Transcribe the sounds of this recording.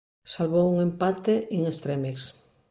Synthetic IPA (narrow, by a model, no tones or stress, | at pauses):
salβowuŋẽmpat̪eʔeŋest̪ɾemeks